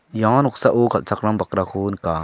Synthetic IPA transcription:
jãnuk̚saʔukʰalt͡ʃakɾambakɾakʰunka

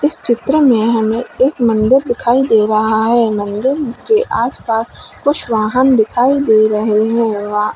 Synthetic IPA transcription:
ɪst͡ʃɪt̪ɾəmẽɦɐmẽeːkmɐ̃nd̪ɪɾd̪ɪkʰaːid̪eːɾɐɦaɦɛmɐ̃nd̪ɪɾkeʔaːspaːskʊt͡ʃʰʋaːɦənd̪ɪkʰaːid̪eːɾɐɦeɦɛ̃ʋaː

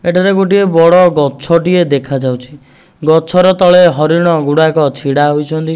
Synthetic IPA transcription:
eʈʰaɾeɡoʈiebɔɽɔɡɔt͡ʃʰɔʈied̪ekʰad͡ʒawt͡ʃʰi̥ | ɡɔt͡ʃʰɔɾɔt̪ɔɭeɦɔɾiɽ̃ɔɡuɽakɔt͡ʃʰiɽaɦojt͡ʃʰɔnt̪i

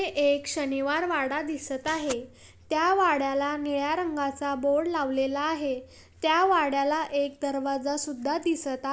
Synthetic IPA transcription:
eʔekɕəniʋaɾʋaɽad̪isət̪aɦe | t̪jaʋaɽjalaniɭjaɾəŋɡat͡saboɽlaʋlelaːɦe | t̪jaʋaɽjalaʔek̚d̪əɾʋad͡zasud̪ʱːad̪isət̪a

